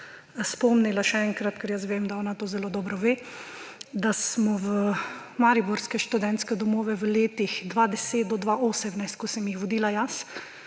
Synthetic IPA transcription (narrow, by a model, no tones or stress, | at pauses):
spɔmnilaʃɛɛŋkɾat̪kɛɾjasʋemd̪aɔːnat̪oːzɛloːd̪ɔːbɾɔʋeː | d̪asmɔʋə | maːɾibɔɾskɛʃt̪ud̪ɛnt̪skɛd̪ɔmoːʋɛʋəleːt̪ixd̪ʋad̪ɛseːt̪̚d̪ɔd̪ʋaʔoːsɛmnaɪst̪̚kɔsɛmjixʋɔd̪iːlajas